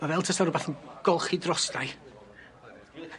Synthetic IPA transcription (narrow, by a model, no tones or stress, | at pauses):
mavɛlˠtʰəsaɾʊbaθənɡ̥ɔlˠχidrɔsd̥aj